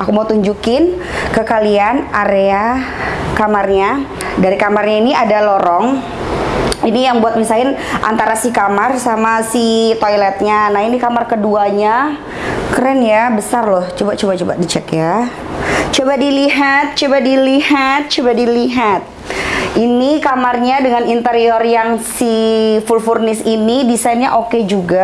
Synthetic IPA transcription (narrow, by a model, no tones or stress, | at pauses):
akumaut̪uɲd͡ʒukɪn | kəkalianaɾea | kamarɲa | daɾikamarɲainiadalɔɾɔŋ | inijaŋbuat̪̚misaɪn | ʔa̰nt̪aɾasikamarsamasit̪ojlɛt̪̚ɲanahinikamarkəduaɲa | kəɾanjabəsarlɔht͡ʃobaʔt͡ʃobaʔt͡ʃoba̰dit͡ʃɛkja | t͡ʃobadiliɦat̪̚t͡ʃobadilihat̪̚t͡ʃobadiliɦat̪̚ | inikamarɲadəŋanint̪əɾiɔrjaŋsifulfurnɪsinidisainɲa̰ʔoked͡ʒuɡa